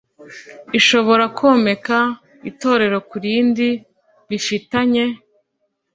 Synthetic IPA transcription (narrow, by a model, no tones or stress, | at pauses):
iʃo̞βo̞ɾakʰo̞ːme̞ka | ito̞ːɾe̞ɾo̞kuɾiːndi | βifitaɲe̞